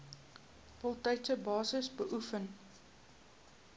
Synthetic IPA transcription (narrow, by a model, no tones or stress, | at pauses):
folˠtɛjtsəbɑːsəsbəʔufən